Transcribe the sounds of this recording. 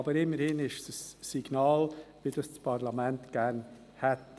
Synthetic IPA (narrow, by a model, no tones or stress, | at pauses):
ɑbəɾɪmːəɾhɪnɪʃsəsːiɡ̥nɑːlvɪd̥ɑst͡spʰɑɾlɑmɛntɡ̥æɾn | hɛt